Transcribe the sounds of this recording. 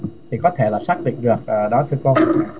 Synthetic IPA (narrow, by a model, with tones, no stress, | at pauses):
t̪ʰi˨˩kɔ˨˦t̪ʰe˧˩laː˨˩saː˦˥k̚lḭ˧˨ŋ̟ɗɨ˨˩ək̚əː˨˩ɗɔ˨˦t̪ʰɨ˧əko˧